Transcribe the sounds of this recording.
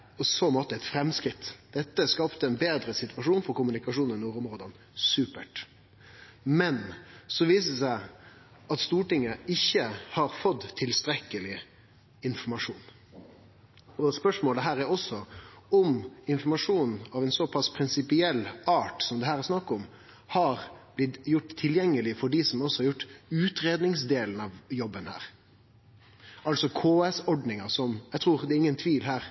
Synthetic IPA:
ɔsɔmɔt̪ːəɛt̪fɾɛmskɾɪt̪ːd̪̥ɛt̪ːəskɑpt̪əɛnbeːd̪ɾəsɪt̪ʉʋɑʂuːnfɔɾkʊmʉnɪkɑʂuːnɛnuːɾɔmɾoːd̪ən | sʉːpəʈ | mɛnsɔʋiːsəsæɪ | ɑt̪st̪uːʈɪŋːəɪçːəhɑɾfɔt̪ʰːɪlst̪ɾɛkːəlɪ | ɪnfɔɾmɑʂuːn | ɔspœʂmoːləɦæːɾæɾɔsɔɔmɪnfɔɾmɑʂuːnɑʋɛnsɔpʰɑspʰɾɪnsɪpɪɛlːɑːʈsɔmd̪ɛhæːɾæɾsnɑkːɔm | hɑɾb̥lɪd̪jʊʈːt̪ʰːɪljɛŋːəlɪfɔɖisɔmɔsɔ̥hɑɾjʊʈːʉːt̪ɾeːd̪nɪŋsd̪eːln̩ɑʋjɔbːənhæ̰ːɾ | ɑlsɔkʰoːɛsɔɖnɪŋɑsɔmjæt̪ʰʁuːɾd̪ɛːɾɪŋːənt̪ʰʋiːlɦæːɾ

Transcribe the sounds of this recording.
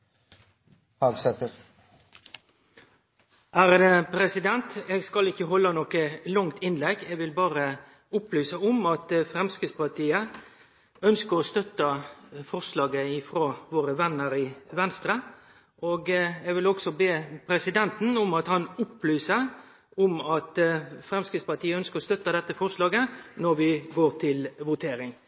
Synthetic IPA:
hɑːɡsɛt̪əɾ | ʔæɾəpʰɾɛsɪd̪ɛnt̪ɛɡskɑlɪçːəɦɔlːənɔkəlɑŋt̪ʰɪnlɛɡːɛɡʋɪlbɑːʁə | ʊplyːsəʊmɑt̪fɾɛmskɪspɑʁt̪ʰiːə | œnskəɾɔst̪œt̪ːəfɔʁʂlɑːɡəɪfɾoːʋoːɾəʋɛnːəɾɪʋɛnst̪ɾə | ʔoːɡɛɡʋɪlɔɡsɔbeːpʰɾɛsɪd̪ɛnt̪n̩ʊmɑt̪hɑnʊplyːsə | ʊmɑt̪fɾɛmskɪspɑʈ̪ʰiːəœnskəɔst̪œt̪ːəd̪ɛt̪ːəfɔɾʂlɑːɡənɔɾʋɪɡoːɾt̪ʰɪlʋʊt̪ʰeːɾɪŋ

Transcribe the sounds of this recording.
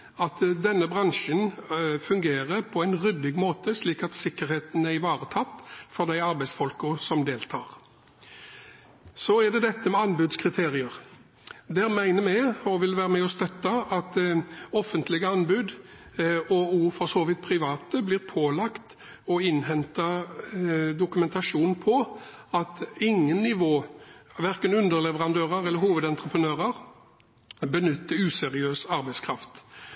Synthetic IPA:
ɑt̪d̪ɛnːəbʁɑŋʃənfʉŋɡeːʁəpʰɔæɪnʁʏd̪ɪɡmoːt̪əsliːkɑt̪sɪkːəɾheːt̪n̩æɾɪʋɑːʁət̪ʰɑt̪ːfɔd̪æɪɑɾbæɪsfɔlkəsɔmd̪eːlt̪ʰɑːʁ | sɔæd̪ɛd̪ɛt̪ːəmɛɑnbʉd̪skʰʁɪt̪ʰeːʁɪəʁ | d̪æːʁmæɪnəmɛɪɔʋɪlʋæːʁəmɛɔst̪œt̪ːɑɑt̪ɔfːənt̪lɪɡəɑnbʉːd̪ | ɔuːɾfɔsoːʋɪt̪̚pʰʁɪʋɑːt̪əbliːʁpʰoːlɑkt̪ | ɔɪnɦɛnt̪ɑ | d̪ʊkʉmɛnt̪ɑʂuːnn̩pʰɔ | ɑt̪ɪŋːənːɪʋoːʋæɾkənʉnd̪əɾlɛʋəʁɑnd̪øːʁəɾɛlːəɾhuːʋəd̪ɛnt̪ɾəpʰənøːʁəɾ | bənʏt̪ːəʉːsɛʁɪøːsɑɾbɛɪskʰʁɑft̪

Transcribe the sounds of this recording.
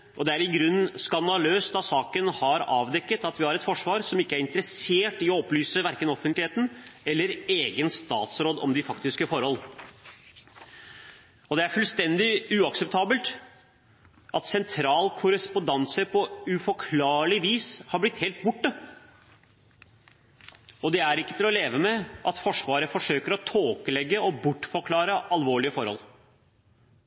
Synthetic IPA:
ʔɔd̪ɛæɾɪɡɾʉnːskɑnd̪ɑløːsd̪ɑsɑːkənhɑɾɑ̰ːʋd̪ɛkːət̪ɑt̪ʋɪhɑɾɛt̪fɔʂʋɑːɾsɔmɪkːəæɾɪnt̪əɾəseːʈɪɔɔplyːsəʋæɾkənɔfənt̪lɪheːt̪n̩ɛlːəɾeːɡənst̪ɑ̰ːt̪sɾoːd̪ɔ̰md̪ɪfɑkt̪ɪskəfɔɾhɔl | ɔd̪ɛæɾfʉlst̪ɛnd̪ɪʉːɑksɛp̚t̪ʰɑːbəlt̪ | ʔɑt̪sɛnt̪ʰɾɑːlkʰʊɾəspʊnd̪ɑnsəpʰɔʉfɔkʰlɑːɭɪʋiːshɑɾblɪt̪heːlt̪̚bʊʈːə | ɔd̪ɛæɾɪkːət̪ʰɪlɔleːʋəmɛʔɑt̪fɔʂʋɑːɾəfɔʂøːkəɾɔt̪ʰoːkəlɛɡːəɔbʊʈːfɔɾkʰlɑːɾəʔɑlʋoːɭɪəfɔɾhɔ̰l

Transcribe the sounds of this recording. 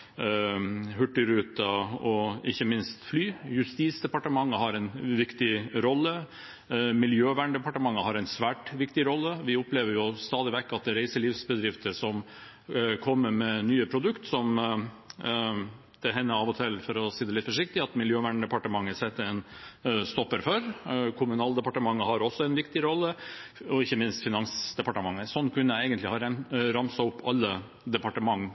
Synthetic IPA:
ɦʉʈːɪɾʉːt̪ɑɔɪçːəmɪnst̪flyːjʉst̪iːtsd̪ɛpɑʈəmɑŋːəɦɑɾɛɪnʋɪkt̪ɪɾɔlːə | mɪljøːʋæːɳɖɛpɑʈəmɑŋːəɦɑɾɛɪnsʋæːʈʋɪkt̪ɪɾɔlːəʋɪʊpleːʋəɾjʊst̪ɑːd̪ɪʋɛkːɑt̪̚d̪ɛɾæɪsəliʋsbəd̪ɾɪft̪əʂɔm | kʰɔmːəɾmɛnyːəpʰɾʊd̪ʉkt̪sɔm | d̪̥ɛɦɛnːəɑːʋɔt̪ʰɛlfɔɾɔsiːd̪ɛlɪt̪fɔʂɪkt̪ɪɑt̪mɪljøːʋæːɳɖ̪ɛpɑʈəmɑŋːəsɛt̪ːəɛnst̪ɔpːəɾfœɾkʰʊmʉnɑːld̪əpɑʈəmɑŋːəhɑɾɔsːɔɛnʋɪkt̪ɪɾɔlːəɔɪçːəmɪnst̪fɪnɑŋsd̪ɛpɑʈəmɑŋːəsɔnːkʉnːəæɛɪɡənt̪lɪhɑɾɾɑmsɑʊpːɑlːə | d̪ɛpɑʈəmɑŋː

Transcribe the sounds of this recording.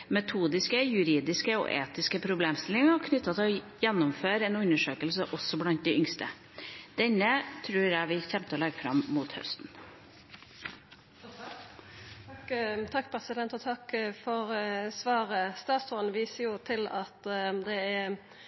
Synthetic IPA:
mɛt̪ʰuːd̪ɪskəjʉɾiːd̪ɪskəɔ̰ʔḛːt̪ɪskəpʰɾʊbleːmst̪ɪlɪŋɑkʰnʏt̪ːɑt̪ʰɪɔ | jɛnːʊmføːɾɛnʉnːəʂøːkəlsəʔɔsːɔblɑnt̪̚d̪ɛʔʏŋst̪ə̰ | d̪̥ɛnːət̪ʰɾʉːɾjæɪʋɪlçɛmpt̪ɔlɛɡːəfɾɑ̰mmuːt̪hœ̰st̪n̩ | t̪ʰɑkːpʰɾɛsɪd̪ɛnt̪ɔt̪ʰɑkfɔɾsʋɑːɾəst̪ɑːt̪sɔnʋiːsəɾjʊt̪ʰɪlɑt̪d̪ɛɛ

